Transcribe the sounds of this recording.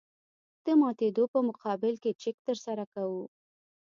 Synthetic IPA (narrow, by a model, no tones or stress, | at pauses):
d̪̥əmɑt̪ed̪opəmʊqɑbɪlket͡ʃɪk̚t̪əɾsaɾakawu